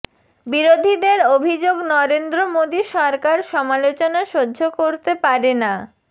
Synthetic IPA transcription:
biɾod̪ʱid̪eɾobʱid͡ʑoɡnɔɾend̪ɾomod̪iʃɔɾkaɾʃɔmalot͡ɕonaʃodːd͡ʑʱokoɾt̪epaɾena

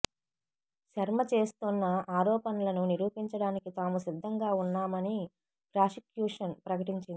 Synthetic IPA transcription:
ʃɐɾmɐt͡ʃe̞ːst̪unːɐaːɾɔːpɐnɐlɐnuniɾuːpiɲt͡ʃɐɽaːnikit̪aːmusid̪ʱːɐŋɡaːunːaːmɐni | pɾaːsikjuːʂɐnpɾɐkɐʈiɲt͡ʃind̪i

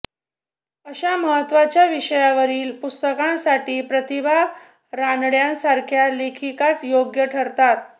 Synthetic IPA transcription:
əɕaməɦət̪ːʋat͡ɕjaʋiɕəjaʋəɾiːlpust̪əkãnsaʈiːpɾət̪ibʱa | ɾanɭjãnsaɾkʰjalekʰikat͡sjoɡjəʈʰəɾt̪at̪̚

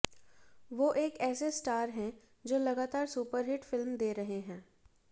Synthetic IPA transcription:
ʋoːʔeːkɛːsesʈaːɾɦɛ̃ | d͡ʒoːlɐɡaːt̪aːɾsuːpəɾɦɪʈfɪlmd̪eːɾɐɦeɦɛ̃ː

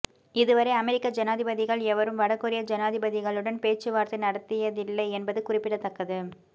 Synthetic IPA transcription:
ɪðɯʋɐɾɐɪɐmɛɾɪkːɐd͡ʒɐnaːðɪbɐðɪɣɐɭɛʋɐɾɯmʋɐɽɐkːɯɾɪjɐd͡ʒɛnaːðɪbɐðɪɣɐɭɯɽɐnpeːt͡ʃːɯʋaːɾt̪ːɪnɐɽɐt̪ːɪjɐðɪlːɐɪɛnbɐðɯkʊrɪpːɪɽɐt̪ːɐkːɐðɯ

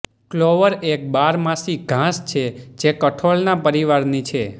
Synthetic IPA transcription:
kloʋəɾek̚baɾmãsiɡʱãst͡ʃʰed͡ʒekəʈʰoɭnapəɾiʋaɾnit͡ʃʰe

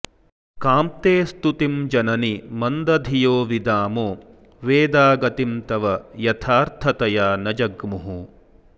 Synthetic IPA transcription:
kaːmt̪eːst̪ut̪imd͡ʒɐnɐnimɐnd̪ɐd̪ʱijoːʋid̪aːmoː | ʋeːd̪aːɡɐt̪imt̪ɐʋɐjɐt̪ʰaːɾt̪ʰɐt̪ɐjaːnɐd͡ʒɐɡmuɦu

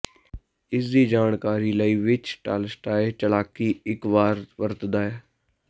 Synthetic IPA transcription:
ɪsd̪iːd͡ʒaːnkaːɾiːləiːʋɪt͡ʃʈa̰ːlsʈaːɪt͡ʃəlaːkiːɪkʋaːɾʋəɾt̪d̪aːɛː

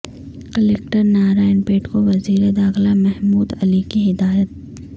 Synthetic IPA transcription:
kəlekʈəɾnaːɾaːɪnpeːʈkoʋɐziːɾed̪aːxlamɛɦmuːd̪ɐlikiɦɪd̪aːjət̪̚

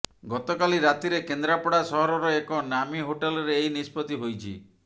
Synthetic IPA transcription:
ɡɔt̪ɔkaliɾat̪iɾekend̪ɾapɔɽasɔɦɔɾɔɾɔekɔnamiɦoʈelɔɾeːinispɔt̪iɦojt͡ʃʰḭ

